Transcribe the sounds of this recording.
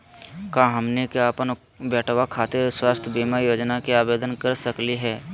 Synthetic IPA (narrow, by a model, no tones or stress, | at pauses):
kãːɦɐmnekeaːpən | bɛːʈʰʋakʰaːt̪eswaːst̪ʰjbiːmajoːd͡ʒnakiaːbeːd̪ənkɐɾsəkliɦɛː